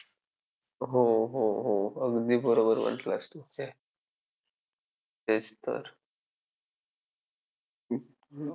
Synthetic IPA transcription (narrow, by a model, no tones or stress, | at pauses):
ɦoɦoɦoəɡd̪iːbəɾobəɾʋə̰ɳʈləst̪uke | t̪ed͡zt̪ə̰ɾ